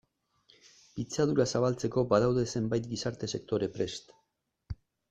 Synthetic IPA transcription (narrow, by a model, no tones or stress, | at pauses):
pit͡sað̞uɾasaβ̞alt͡se̞ko̞baðawðe̞se̞mbajt̪̚ɡisaɾt̪e̞se̞k̚t̪o̞ɾe̞pɾe̞st̪